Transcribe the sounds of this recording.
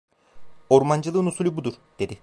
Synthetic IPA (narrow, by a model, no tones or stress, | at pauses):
o̞ɾmand͡ʒɯlˠɯnusulʲubud̪uɾ̥d̪̥e̞d̪ɪ